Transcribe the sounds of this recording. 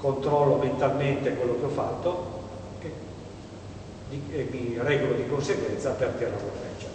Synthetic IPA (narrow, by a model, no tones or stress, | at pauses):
kont̪ɾɔlːoment̪alment̪ekwelːokeɔfːat̪ːo | ke | d̪imirɛːɡolod̪ikonseɡwɛnt̪sapert̪ɛraporfɛt͡ʃːa